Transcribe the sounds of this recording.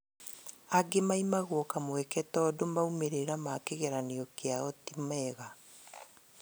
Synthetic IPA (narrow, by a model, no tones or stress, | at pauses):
aɡemaimaɣwɔkamwɛkɛtɔːdomaumeɾeɾamakeɣɛɾaneɔkeaɔtimɛɣa